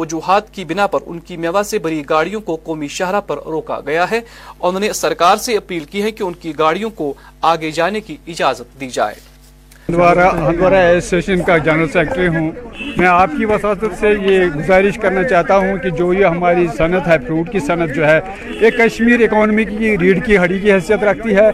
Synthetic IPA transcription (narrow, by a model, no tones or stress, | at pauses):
ɐd͡ʒuːɦaːt̪kibɪnapɐɾʊ̰nkimɛʋasebɐɾiɡaːɽijõkoqoːmiʃɐɦɾapɐɾɾoːka̰ɡɐjaɦɛ | ɔːnnesɐɾkaːɾseɐpiːlkiɦɛ̃kiʊnkiɡaːɽijõko | aːɡed͡ʒaːnekiɪd͡ʒaːzət̪̚d̪iːd͡ʒa̰ːḛː | d̪ʋaːɾaɦɐ̃nd̪ʋaːɾaeːsːeːʃənkad͡ʒɛnəɾəlseːk̚ʈɾiɦũːmɛ̃ːaːp̚kiʋɐsaːsət̪sejeɡʊzaːɾɪʃkɐɾnat͡ʃaːɦt̪aɦũkid͡ʒoːeɦɐmaːɾisɐnət̪ɦɛpʰɾuːʈ̚kisɐnət̪̚d͡ʒoːɦɛ | eːkːɐʃmiːɾekɔːnmikiɾiːɖkiɦɐɽikiɦɐsijət̪ɾɐkʰt̪iɦɛː